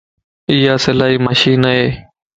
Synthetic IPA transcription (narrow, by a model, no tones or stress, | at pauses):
ijaːsɪlaːɦiːməʃiːnəɦeː